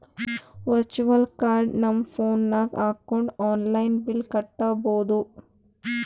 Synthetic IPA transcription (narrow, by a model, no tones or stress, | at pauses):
ʋɐɾt͡ʃuʋɐlkaːɾɖnɐmːɐpʰoːnːaːkaːkːoɳɖaːnlɐjnbilkɐʈːɐboːd̪u